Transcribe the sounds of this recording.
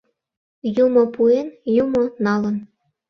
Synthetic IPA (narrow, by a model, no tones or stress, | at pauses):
jumopuenjumonɑlə̆n